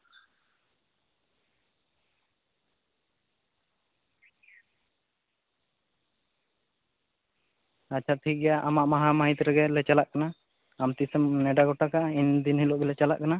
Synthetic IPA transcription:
at͡ʃʰaɾt̪ʰiɡɛjaʔamaʔmaɦamaɦit̪ɾɛɡɛlɛt͡ʃalaʔkana | amt̪isəmnɛɖaɡɔʈakaʔind̪inhiloʔɡɛlɛt͡ʃala̰ʔkana

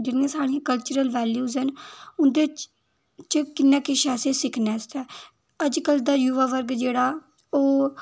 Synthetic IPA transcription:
d͡ʒɪnãːsaːɽ̃iãːkəlt͡ʃəɾəlʋɛːljuːzənʊnd̪eːt͡ʃ | t͡ʃkɪnːãːkɪʃɛːsẽːsɪkʰnɛːst̪ɛː | əd͡ʒkəld̪aːjuʋaːʋəɾɡd͡ʒeːɽaː | oː

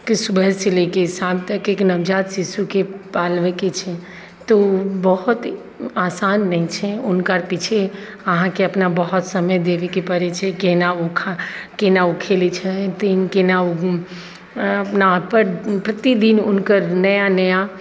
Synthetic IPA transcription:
kisʊbʱəselekesabt̪əkeknəʋd͡ʒat̪sisukepalʋeket͡ʃʰɛ | t̪obəɦʊt̪ | asanːəĩt͡ʃʰɛʊnkəɾpit͡ʃʰe | əɦãkeəpnabəɦɔt̪səməjd̪eʋekepəɾet͡ʃʰɛkenaukʰakenaukʰelit͡ʃʰɛt̪enkenau | əpnapəɾpɾət̪id̪inʊnkəɾnəjanəja

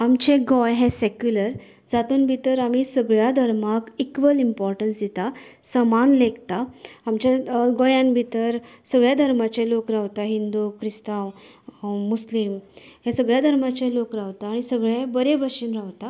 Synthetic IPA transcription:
amt͡ɕeɡɔjɦɛ̃sekjuləɾ | d͡zat̪uːnbʱit̪əɾamiːsəɡɭjad̪ʱəɾmakikʋəlimpɔɾʈənsd̪it̪asəmanleɡt̪aamt͡ɕaɡojãnbʱit̪əɾsəɡɭjad̪ʱəɾmat͡ɕẽlokɾaʋt̪aɦind̪ukʰɾist̪ãw | muslimɦẽsəɡɭjad̪ʱəɾmat͡ɕẽlokɾaʋt̪aːɽ̃isəɡɭebəɾebʱəɕiːnɾaʋt̪a

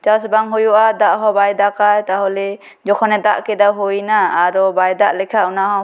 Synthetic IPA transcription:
t͡ʃawsbaŋɦujuʔad̪aʔɦɔbajd̪akajt̪aɦɔlɛ | d͡ʒɔkʰɔnɛt̪a̰ʔkɛd̪aɦujnaːɾɔbajd̪aʔlɛkʰaʔunaɦɔ

